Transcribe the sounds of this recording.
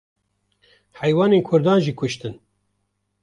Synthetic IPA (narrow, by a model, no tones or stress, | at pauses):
hɛjwɑːneːnkʰʊɾd̪ɑːnʒiːkʰʊʃt̪ɨn